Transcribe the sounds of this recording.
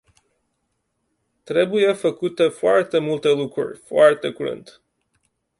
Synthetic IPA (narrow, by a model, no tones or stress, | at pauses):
t̪ɾe̞buje̞fəkut̪e̞foart̪e̞mult̪e̞lukɾṵrʲfoart̪e̞kuɾɨ̰nt̪